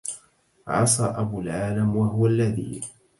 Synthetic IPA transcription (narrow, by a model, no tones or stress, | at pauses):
ʕɑsˤɑːʔabulʕaːlamwaɦʊwalːaðḭː